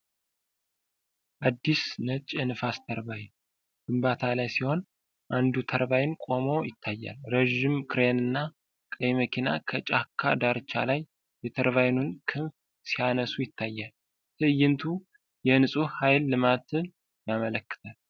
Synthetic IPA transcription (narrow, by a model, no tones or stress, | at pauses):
ʔad̪ːisnət͡ʃʼːɛnɨfast̪ʰəɾβajn | ɡ̥ɨmbat̪ʰalajsiho̞n | ʔand̪ut̪ʰəɾβajɪnkʼo̞mo̞jɪt̪ʰːajːa̰lɾeʒɪmkʰɨɾenɨnːa | kʼəjməkʰina̰kʰət͡ʃʼakʰːa̰d̪aɾt͡ʃʰːa̰laj | bɛt̪ʰəɾβajnunkʰɨnf | sijanəsujɪt̪ʰːajːal | t̪ʰɨɨjɪnt̪ʰu | jɛnɨsʼuhajlːɨmat̪ɨ | jamələkːɨ̥t̪ʰal